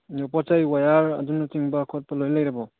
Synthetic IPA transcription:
nopatajwajaɾɐ̰dunɐtʰiŋbɐkʰɔt̚pɐlojlajɾɐbɔ

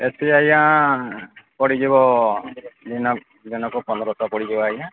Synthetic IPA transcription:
esiajã | pɔɽid͡ʒebɔ | d̪inɔ | d̪inɔkupɔnd̪ɔɾɔt̪apɔɽid͡ʒebɔajã

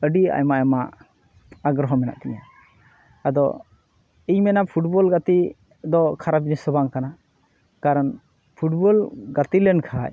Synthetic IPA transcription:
əɖia̰jmaʔɛmaʔ | aɡɾɔɦɔmɛna̰ʔt̪ɛɲa̰ | ad̪ɔ̰ | iɲmɛnapʰuʈbɔlɡat̪i | d̪ɔkʰaɾabinisɔbaŋkana | kaɾan | pʰuʈbɔlɡat̪ilɛnkʰa̰

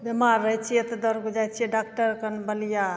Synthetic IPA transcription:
bemaɾːəɦjt͡ʃʰijet̪d̪ɔɾɡud͡ʒajt͡ʃʰieɖak̚ʈəɾkənbəlija

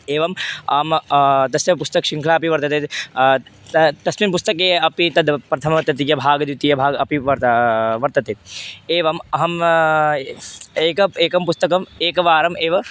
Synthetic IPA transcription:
eːʋɐmaːmt̪ɐsjɐpust̪ɐkʃiŋkʰlaːɐpiʋɐɾt̪ɐt̪e | t̪ɐsminpust̪ɐkeːɐpit̪ɐd̪pɾɐt̪ʰɐmɐʋɐɾt̪ɐt̪ijɐbʱaːɡɐd̪jut̪ijɐbʱaːɡɐpiʋɐʋɐɾt̪ɐt̪eeːʋɐmɐɦɐm | eːkɐeːkɐmpust̪ɐkɐmeːkɐʋaːɾɐmeːʋɐ

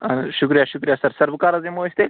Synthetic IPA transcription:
ɐnʃʊkɾijaʃʊkɾijasɐɾsɐɾʋəkaːɾazemoist̪e

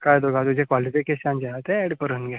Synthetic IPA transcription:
kajd̪oɡãt̪ud͡ʑʱẽkʋalifikesãnd͡ʑat̪ɛɛɽpəɾənɡɛ

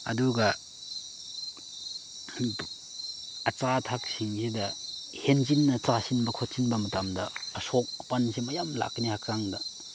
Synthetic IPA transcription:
ɐ̰duɡɐ | ɐt͡ʃatʰak̚siŋsidɐhent͡ʃinːɐt͡ʃasinbɐkʰot̚sinbɐmɐtamdɐːsɔk̚pansimɐjamla̰knihakɾaŋdɐ

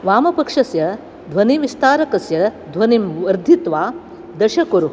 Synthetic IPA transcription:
ʋaːmɐpɐkʂɐsjɐ | d̪ʱʋɐniʋist̪aːɾɐkɐsjɐd̪ʱʋɐnimʋɐɾd̪ʱit̪ʋaː | d̪ɐʃɐkuɾu

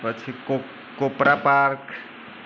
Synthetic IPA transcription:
pət͡ʃʰiko | kopɾapaɾk

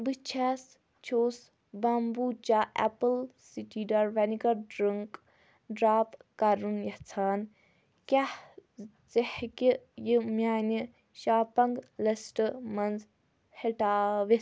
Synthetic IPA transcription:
bɨt͡ʃʰɛs | t͡ʃʰoːs | bɐmbut͡ʃaːʔɛ̰pəlsiʈiɖɐɾʋɐnikɐɖɾɨŋk | ɖɾaːpkɐɾunjɐht͡sʰaːn | kʲah | t͡sehkijimʲaːni | ʃaːpɐŋɡlɐsʈəmɐnz | heʈaːʋi

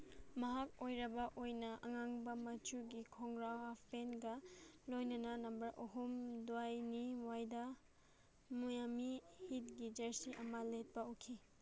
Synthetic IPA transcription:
mɐɦakojɾɐbɐʔojnɐʔɐŋaŋbɐmɐt͡ʃuɡikʰɔŋɡɾawapenɡɐlojnɐnɐnɐmbɐɾʔoɦumduwajniwajda | mujamihit̚ɡid͡ʒɐɾsiʔɐmɐlet̚pɐukʰi

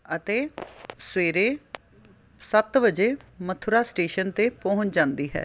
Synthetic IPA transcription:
ət̪eːsweːɾeː | sət̪ʋəd͡ʒeːmət̪ʰʊɾaːsʈeːʃənt̪eːpɔ̃ːʊ̃t͡ʃd͡ʒãːnd̪iːɦɛ̰ː

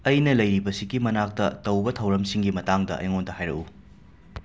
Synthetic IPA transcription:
ɐjnɐlɐjɾibɐsiɡimɐnak̚tɐ̰tɐwbɐtʰɐwɾɐmsiŋɡimɐtaŋdɐ̰ʔɐ̰jŋondɐhajɾɐ̰ʔu

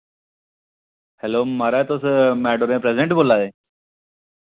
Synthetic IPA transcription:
helomaɾajt̪osəmæɖoɾẽpɾesɖẽɳʈbolːad̪e

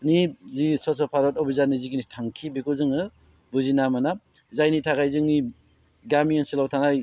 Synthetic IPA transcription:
nizisɔs̬ɔpʰaɾɔtɔbizanizikinitʰaŋkʰibekuzɯŋɯ | buzinamana | zajnitʰakajzɯŋni | ɡamiŋensilawtʰanaj

